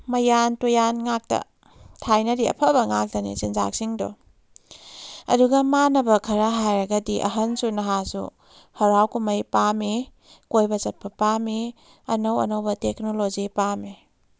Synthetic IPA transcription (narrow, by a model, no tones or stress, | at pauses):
mɐjantojanŋak̚tɐ̰ | tʰajnɐdiɐ̰pʰɐbɐŋak̚tɐnḭt͡ʃinza̰k̚siŋdɔ̰ | ɐ̰duɡɐmanɐbɐkʰɐɾɐɦajɾɐɡɐdiʔɐ̰ɦɐnsunɐɦasṵ | hɐɾawkumɐjpami | kojbɐt͡ʃɐt̚pʰɐpami | ɐnowɐ̰nowbɐtek̚nolozipami